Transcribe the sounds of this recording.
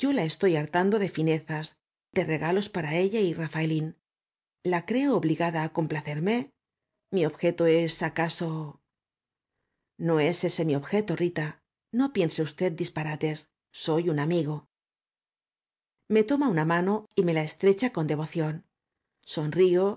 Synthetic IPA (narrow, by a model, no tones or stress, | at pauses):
ɟ͡ʝo̞lae̞st̪o̞jaɾt̪and̪o̞ðe̞fine̞θaz | d̪e̞re̞ɣalo̞spaɾae̞ʎairafaelin | lakɾe̞oːβliɣaðaːko̞mplaθe̞ɾme̞ | mio̞βxe̞t̪oe̞sakaso̞ | no̞e̞se̞se̞mio̞βxe̞t̪o̞rit̪a | no̞pje̞nseust̪e̞t̪̚d̪ispaɾat̪e̞sː | o̞junamiɣo̞ | me̞t̪o̞maunamano̞ime̞lae̞st̪ɾe̞t͡ʃako̞nd̪e̞βo̞θjo̞n | so̞nrio̞